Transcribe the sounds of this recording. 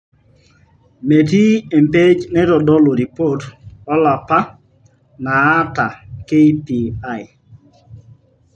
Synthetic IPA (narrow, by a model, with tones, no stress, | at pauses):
me˨ti˦e˨m˨pe˦d͡ʒnɛ˦ɾɔ˨ɗɔ˦lo˨ɾi˨po˦˨tɔ˦la˨pa˦ | na˨a˦ta˨ke˦pi˨a˦˨j